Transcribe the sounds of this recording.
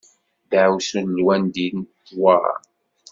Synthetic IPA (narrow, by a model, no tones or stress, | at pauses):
dʕwsənlwænd̪inθwɑɾˤɑ̰